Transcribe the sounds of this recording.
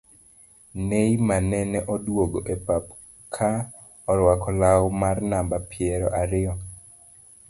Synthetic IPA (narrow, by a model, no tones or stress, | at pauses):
nejmanɛnɛʔɔdwoɡoʔepap | kʰa | ɔɾwakɔlawɔmarnambapɪɛɾɔʔaɾɪɔ